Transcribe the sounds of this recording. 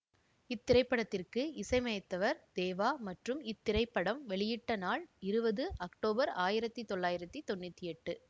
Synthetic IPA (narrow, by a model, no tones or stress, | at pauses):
ɪt̪ːɪɾɐɪpːɐɽɐt̪ːɪrkɯɪsɐɪmɐjɐt̪ːɐʋɐɾd̪̥eːʋaːmɐʈrɯmɪt̪ːɪɾɐɪpːɐɽɐmʋɛɭɪjɪʈːɐnaːɭɪɾɯbɐðɯʔɐkʈoːbɐɾaːjɪɾɐt̪ːit̪ɔɭːaːjɪɾɐt̪ːit̪ɔnːɯt̪ːiɛʈːɯ